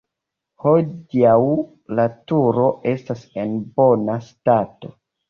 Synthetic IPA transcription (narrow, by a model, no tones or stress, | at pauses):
ho̞diaw | latuɾo̞ʔe̞stase̞nbo̞nastato̞